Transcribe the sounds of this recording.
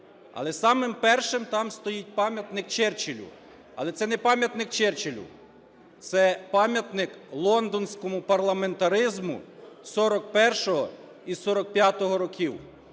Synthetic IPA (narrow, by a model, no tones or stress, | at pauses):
ɐ̰lˠɛsɑmɪmpɛrʃɪmt̪ɑmst̪ɔjit̚ʲpɑmʲjɐt̪nɪk̚t͡ʃɪrt͡ʃɪlʲʊ̰ | ɐ̰lˠɛt̪sɛnɛpɑmʲjɐt̪nɪkt͡ʃɪrt͡ʃɪlʲʊ̰ | t̪sɛpɑmʲjɐt̪nɪklˠɔnd̪ɔnʲsʲkɔmʊpɐrlˠɐme̞nt̪ɐɾɪzmʊ̰sɔɾɔkpɛrʃɔɦɔ̰ | isɔɾɔk̚pʲjat̪ɔɦɔɾɔkʲiw